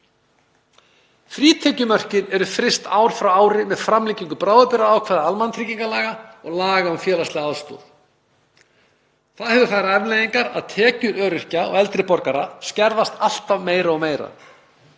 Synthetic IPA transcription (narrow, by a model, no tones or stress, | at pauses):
fɾiːt̪ʰɛcʏmœr̥cɪɾɛɾʏfɾɪst̪aːwɾ̥fɾawaːwɾɪmɛðfɾamlicːiŋkʏpɾaːwðʏpɪɾaaːwkʰvaːðaalmant̪ʰɾiciŋkalaːɣaɔɣlaːɣaɔmfjɛːlast̪lɪɣaaːðst̪o̰ːð | θaðhɛvʏfaːjɾaɛvlejðiŋkaɾa̰ðt̪ʰɛːcʏɾœːɾʏr̥caɔ̰ɣɛlt̪ɾɪpɔɾkaɾascɛɾðast̪al̥t̪avmeːjɾaɔɣmeːjɾa̰